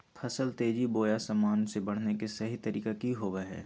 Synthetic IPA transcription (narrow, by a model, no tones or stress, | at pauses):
pʰɐsəlt̪eːd͡ʒiboːjasamaːnsebɐɽ̤nekesɐɦit̪ɐɾiːkakiɦoːʋeɦɛ̰ː